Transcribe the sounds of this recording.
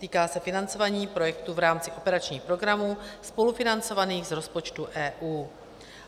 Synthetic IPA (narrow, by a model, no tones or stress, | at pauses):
t̪iːkaːsɛfɪnant͡so̞vaːɲiːpɾo̞jɛkt̪uvɾaːmt͡sɪʔo̞pɛɾat͡ʃɲiːxpɾo̞ɡɾamuːspo̞lufɪnant͡so̞vaniːɣzɾo̞spo̞t͡ʃt̪uʔɛːʔuː